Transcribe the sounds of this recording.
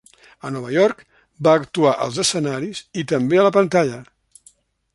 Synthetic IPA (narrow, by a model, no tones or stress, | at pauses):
ənɔβ̞əjɔrk | baːkt̪uaʔə̰lˠzəsənaɾizit̪əmbeələpənt̪aʎə